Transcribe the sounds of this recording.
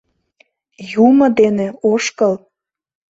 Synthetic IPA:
jumɤ̆d̪eneoʃkəl

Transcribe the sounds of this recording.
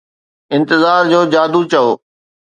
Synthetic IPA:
ɪ̃nt̪ɪzaːɾd͡ʑoːd͡ʑaːd̪ut͡ɕɐoː

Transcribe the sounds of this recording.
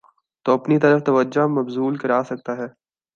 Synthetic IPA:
t̪oːɐpnit̪ɐɾəft̪ɐʋəd͡ʒamɐbzuːlkɐɾaːsɐk̚t̪aɦɛː

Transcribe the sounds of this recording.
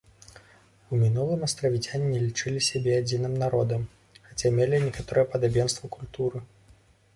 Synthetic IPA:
umʲinulˠɨmɐst̪ɾɐvʲit͡sʲanʲːɛlʲit͡ʂɨlʲisʲabʲɛad͡zʲinɨmnaɾɔd̪ɐm | xat͡sʲamʲelʲinʲɛkat̪ɔɾɨjɛpɐd̪abʲɛn̪st̪vɐkulʲt̪uɾɨ

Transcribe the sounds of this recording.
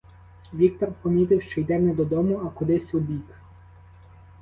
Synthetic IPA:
ʋʲik̚t̪ɔrpɔmʲit̪ɪwʃt͡ʃɔjd̪ɛnɛd̪ɔd̪ɔmʊɐkʊd̪ɪsʲʊbʲik

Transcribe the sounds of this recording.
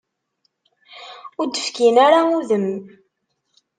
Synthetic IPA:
ʊɾd̪əfkinaɾauðəm

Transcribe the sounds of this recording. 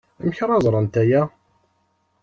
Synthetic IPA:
əmçɾˤɑzˤɾˤənt̪æjæ

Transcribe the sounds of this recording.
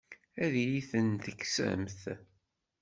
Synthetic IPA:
æðjiθənt̪əkːsæ̰mθ

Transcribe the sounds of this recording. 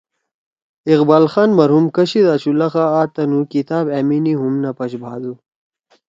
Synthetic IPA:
iqbaːlxaːnmɐɾɦumkɐɕid̪aːt͡ɕulɐxaaːt̪ɐnukit̪aːbeminiɦumnɐpɐɕbʱaːd̪u

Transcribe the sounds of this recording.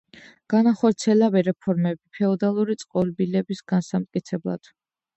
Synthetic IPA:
ɡ̥anaχɔɾt̪sʰiɛlabɛɾɛpʰɔɾmɛbipʰɛɔd̪alˠuɾit̪sʼqʼɔlbilɛbisɡ̥ansamt̪̚ʼkʼit̪sʰɛblˠa̰d̪̥

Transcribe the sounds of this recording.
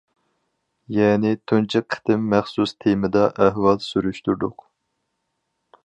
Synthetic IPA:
jɛːnɪt̪ʰunt͡ʃʰiqʰːə̥t̪ɪmːæχsust̪ʰemɪd̪ɑʔæɦwɑlˠsyɾyʃt̪yɾd̪ʊq

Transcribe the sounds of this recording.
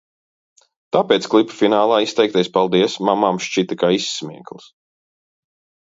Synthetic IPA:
t̪aːpɛːt̪sklˠipḁfinaːlˠaːist̪ɛjkt̪ʲɛjspalˠd̪iɛsmamamʃt͡ʃit̪ɛkaːisːmʲiɛklˠs

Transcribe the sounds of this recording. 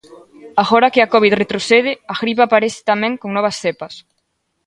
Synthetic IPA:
aɣɔɾɐkɪakoβit̪ret̪ɾoθeð̞ɪaɣɾipaːpaɾeθɪ̥t̪amɛ̃ŋkoŋnɔβ̞ɐsθepɐs

